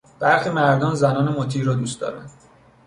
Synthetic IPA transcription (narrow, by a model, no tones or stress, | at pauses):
b̥æɾximæɾd̪ɒːnzænɒːnemot̪ʰiːɾːɒːd̪uːst̪d̪ɒ̰ːɾæn